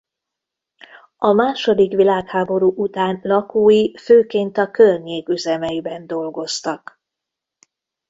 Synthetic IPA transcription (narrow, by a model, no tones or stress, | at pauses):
ɒmaːʃo̞d̪ikʋilaːkhaːbo̞ɾuːʔut̪aːnlɒkuːjiføːkeːnt̪ɒkørɲeːkyzɛmɛjibɛnd̪o̞lɡo̞st̪ɒk